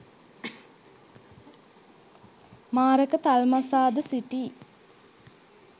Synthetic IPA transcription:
maːɾəkət̪almasaːd̪əsiʈiː

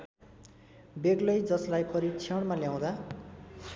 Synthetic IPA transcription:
beɡlʌjd͡zʌslajpʌɾit͡sʰʌɽ̃maljaw̃d̪a

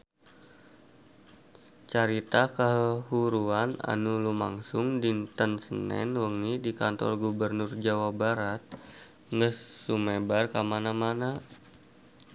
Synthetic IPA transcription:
t͡ʃaɾit̪akəɦəhuɾuana̰nulumaŋsʊŋdint̪ənsənɛ̰nwəŋidikant̪ɔ̰rɡubərnurd͡ʒawabaɾat̪̚ | ŋəsːumebarkamanamana

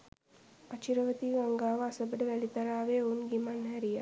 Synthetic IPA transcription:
ɐt͡ʃiɾəʋət̪iːɡɐŋɡaːʋɐɐsəbɖəʋɛlit̪ɐɾaːʋeːunɡimanɦɛɾija

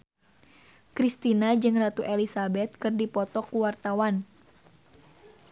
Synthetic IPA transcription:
kɾist̪inad͡ʒɨŋrat̪uʔelisabɛt̪̚kɨrdipɔt̪ɔkuwart̪awan

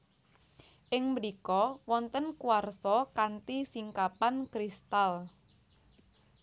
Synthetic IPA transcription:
ʔɪŋmɾikɔwɔnt̪ənkuarsɔkant̪isiŋkapankɾist̪al

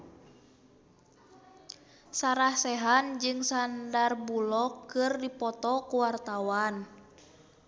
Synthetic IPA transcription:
saɾahsɛɦand͡ʒɨŋsandarbulɔkːɨrdipɔt̪ɔkuwart̪awan

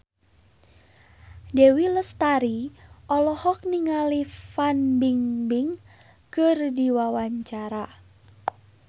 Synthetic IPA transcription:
dewiləst̪aɾiʔɔlɔhɔk̚niŋalifanbiŋbɪŋ | kərdiwawaɲt͡ʃaɾa

